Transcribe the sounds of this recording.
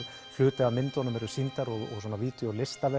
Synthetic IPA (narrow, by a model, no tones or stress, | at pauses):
flʏːt̪ɛɣamɪnt̪ɔanʏmɛɾʏ̥sint̪aɾɔɣɔ̰ɣsɔːnaviːt̪jɔlɪst̪avɛ